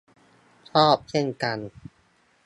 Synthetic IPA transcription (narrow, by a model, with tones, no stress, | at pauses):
t͡ɕʰɔː˥˩p̚kʰi˥˩ŋka˧n